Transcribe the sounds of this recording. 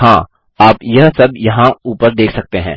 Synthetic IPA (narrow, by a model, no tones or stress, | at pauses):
ɦãː | aːpjɐɦsɐbjɐɦãuːpəɾd̪eːkʰsɐk̚t̪eɦɛ̰̃ː